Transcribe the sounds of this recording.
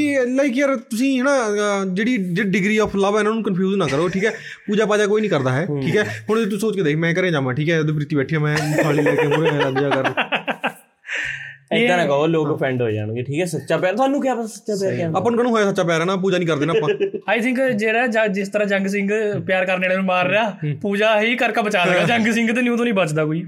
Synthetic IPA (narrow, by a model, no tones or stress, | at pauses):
kiːlaɪk̬jaːɾt̪ʊsĩːɦɛːnãːd͡ʒeːɽiːd͡ʒeɖɪɡɾiːɔːpʰləʋɛːnãːnũːkənpʰjuːznãːkəɾoːʈʰiːkɦɛː | puːd͡ʒaːpaːd͡ʒaːkoːiːnĩːkəɾd̪aːɦɛːʈʰiːkɛːɦʊɳet̪̬ʊsoːt͡ʃkeːd̪eːkʰmɛ̃ːkəɾẽːd͡ʒãːʋaʈʰiːkɦɛːd̪ẽːpɾɪt̪iːbɛːʈʰiːɛːmɛ̃ːaːliːlɛːkeːmʊɾẽaɡd͡ʒaːkəɾ | ɪãnãːkəoːloːkpʰɾɛ̃ːɳɖɦoːia̰ːnũːkeʈʰiːkɛːsətːʃaːpjaːɾt̪ʊaːnːũːkjaːpːsətːʃaːpjaːɾkaːəpːanuːkənũːɦoːaːsətːʃaːpjaːɾɦɛːnaːp̬uːd͡ʒaːnĩːkəɾd̪eːnaːãaːjt̪ʰɪ̃ŋkd͡ʒeːɾaːd͡ʒd͡ʒɪst̪əɾãːd͡ʒəŋɡs̬ɪ̃ŋɡpjaːɾkəɾneːɽemẽːmaːɾːɪjaːpuːd͡ʒaːɦiːkəɾkabət͡ʃaːləɡaːd͡ʒə̃ŋɡsɪ̃ŋɡt̪eːnũːt̪õːnĩːbət͡ʃd̪aːkoːiː